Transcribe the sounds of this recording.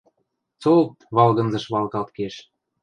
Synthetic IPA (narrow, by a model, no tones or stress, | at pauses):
t͡sot̪βɑlɣɤ̆nzɤ̆ʃβɑlˠkɑlt̪̚keʃ